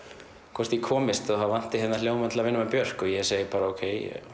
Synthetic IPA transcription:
kʰvɔst̪jikʰɔːmɪst̪aθavan̥t̪ɪhɛt̪nal̥joːwmant̪lavɪnːamapjœr̥kɔjɛseːjɪpaːɾaoːwkʰeːj

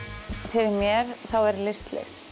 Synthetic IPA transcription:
fɪɾɪɾmjɛɾ̥θawɛɾlɪst̪lḛst̪

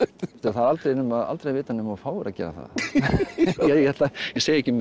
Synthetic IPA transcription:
st̪ɛɾθaðalt̪ɾejnʏmaða̰lt̪ɾejvɪːt̪anʏmɔfaːwvɛɾacɛ̰ːɾa̰θa̰ð | jajɛjɛt̪lajɛseːjɛcɪm

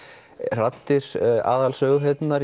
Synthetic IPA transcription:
r̥at̪ːɪɾ̥a̰ːðalsœːɣʏɦet̪naɾ

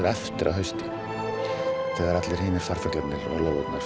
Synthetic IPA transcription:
ɾɛft̪ɪɾʔa̰ɦœɥst̪ɪ | θɛːɣaɾat̪lɪɾ̥hɪːnɪɾ̥faɾ̥fœk̪lat̪nɪlɔ̰ɣlowvœpnḁ

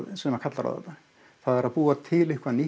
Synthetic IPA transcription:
ðsɛnɛmakʰat̪laɾa̰ðɛ̰t̪ːa | θaðɛɾaðpuːat̪ʰɪlɪhkvani

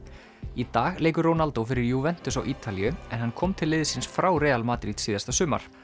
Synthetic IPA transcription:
it̪aːɣleːjk̬ʏɾrownalt̪ofɪɾɪɾjuvɛn̥t̪ʏsawʔiːt̪alijʏɛnhanːkʰɔmt̪ʰɪlːɪːðɪsɪnsfɾawɾɛːalmaːt̪ɾit̪siːðast̪asʏːma̰ɾ̥

